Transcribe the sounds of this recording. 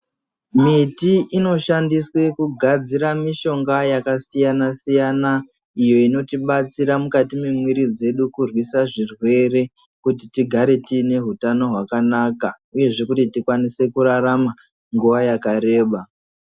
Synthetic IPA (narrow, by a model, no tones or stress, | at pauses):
mitiʔino̞ʃandiswe̞kuɡʱad͡ziɾamiʃo̞ŋɡajakasijanasijana | ijo̞ino̞tiɓat͡siɾamukatimemwiɾid͡ze̞ɗukurwisaʐirwe̞re̞ | kutitiɡʱaɾe̞tine̞ɦutano̞ɦwakanaːka | uje̞ʐe̞kutitikwanise̞kuɾaɾama | ŋɡuʋajakaɾe̞ːɓa